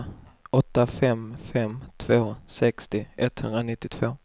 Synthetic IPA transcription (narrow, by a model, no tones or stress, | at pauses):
ɔt̪ːafɛmfɛmt̪ʰv̥oːsɛkst̪ɪʔɛt̪ːhɵnd̪ɾanɪt̪ːɪt̪ʰv̥oː